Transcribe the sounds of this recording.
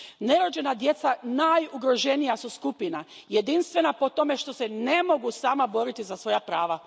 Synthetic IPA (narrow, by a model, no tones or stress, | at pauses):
ne̞ɾo̞d͡ʑe̞nad̪je̞t̪sanajuɡɾo̞ʒe̞nijasuskupinaje̞d̪inst̪ʋe̞napo̞t̪o̞me̞ʃt̪o̞senemo̞ɡusaːmabo̞ɾit̪izasʋo̞japɾaːʋa